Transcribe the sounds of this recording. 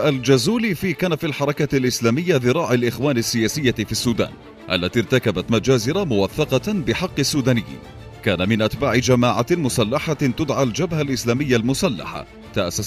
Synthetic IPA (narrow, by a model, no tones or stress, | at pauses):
ʔald͡ʒʊzuːlifiːkaːnafilħɑɾˤɑkalʔɪslaːmɪjːaðɨɾˤɑːʕalʔɪxwaːnasːɪjaːsɪjːafiːsːuːd̪a̰ːn | ʔa̰lːat̪iːɾˤt̪akabat̪mad͡ʒaːzɪɾamʊwaθːɑqɑbɪħɑqːɪsːuːd̪aːnɪjːḭ | kaːnamɪnʔat̪baːʕɪd͡ʒamaːʕamʊsalːaħat̪ʊd̪ʕald͡ʒabhalʔɪslaːmɪjːalmʊsalːa̰ħa̰ | t̪aʔasːas